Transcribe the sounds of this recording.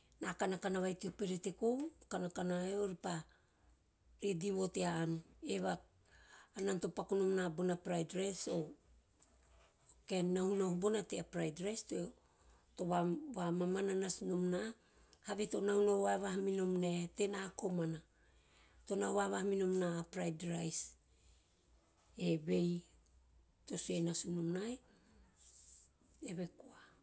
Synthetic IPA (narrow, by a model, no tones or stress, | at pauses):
nakanakanaβajtiopeɾetekokanakanaeoɾipa | ɾediβo̞teaːneβaː | nanto̞pakonomnabonapɾajdɾeso̞ | kennahunahubonateapɾajdɾeste | to̞βaβamamananasunomna | haβeto̞nahunawaeβahaminomnate̞nako̞mana | to̞nawβaβahaminomnapɾajdɾajs | eβe̞j | to̞suenasunomnae | eβe̞koa